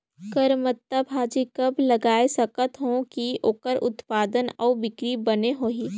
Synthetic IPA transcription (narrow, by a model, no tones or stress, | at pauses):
kəɾmət̪ːabʱaːd͡ʒikəblɐɡaːesɐkət̪ɦõkioːkəɾʊ̰t̪paːd̪ənɔːbɪkɾibɐneɦoːɦi